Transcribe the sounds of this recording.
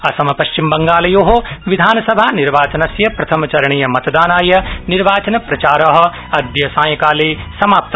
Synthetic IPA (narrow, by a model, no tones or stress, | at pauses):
ɐsɐmɐpɐʃt͡ʃimbɐŋɡaːlɐjoːɦoʋid̪ʱaːnɐsɐbʱaːniɾʋaːt͡ʃɐnɐsjɐpɾɐt̪ʰɐmɐt͡ʃɐɾɐɳijɐmɐt̪d̪aːnaːjɐniɾʋaːt͡ʃɐnɐpɾɐt͡ʃaːɾɐɦɐ̆ | ɐd̪jɐsãːjɐkaːleːsɐmaːp̚t̪ɐ